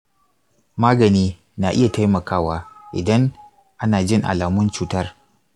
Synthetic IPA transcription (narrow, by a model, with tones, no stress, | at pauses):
maː˦ɡɐ˨niː˦ | na˨ʔɪ˦ja˨ta˦jmɐ˨kaː˦waː˦ʔɪ̰˨dɐ˦ŋ | ʔa˦naː˨d͡ʒɪ˦ŋʔa̰˨laː˨mʊ˦nt͡ʃuː˨tɐ˦r